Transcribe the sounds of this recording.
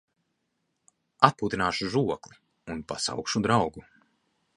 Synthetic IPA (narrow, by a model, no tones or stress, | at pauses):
at̪̚puːt̪inaːʃuʒuɔklˠi | unpa̰sa̰wkʃud̪ɾawɡu